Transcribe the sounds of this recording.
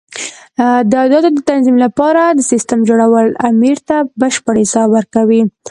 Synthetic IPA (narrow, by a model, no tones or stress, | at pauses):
d̪əad̪ɑd̪od̪ət̪anzimlapɑɾad̪əsist̪əmd͡ʒoɽawəlamiɾt̪abəʃpəɽesɑwəɾkawi